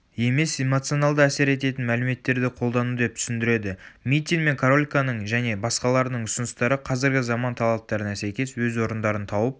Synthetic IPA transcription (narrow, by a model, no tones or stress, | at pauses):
je̞me̞se̞mo̞t̪sio̞nɑlˠd̪əæse̞ɾe̞t̪̬e̞t̪ɪnmælɪme̞t̪ːe̞ɾd̪ɪqʰo̞lˠd̪ɑnud̪e̞p̚t̪ʰʏ̥sɪnd̪ɪɾe̞d̪ɪmʲit̪ʲːiŋme̞ŋkʰaɾo̞lʲkanəɴʒæne̞bɑsqɑlˠɑɾənəɴʊsənəst̪ɑɾəqʰɑzɪɾɡʲɪzɑmɑnt̪ʰɑlˠɑp̚t̪ɑɾənɑsæjkʲe̞swɵzwo̞ɾənd̪ɑɾənt̪ʰɑwəp̚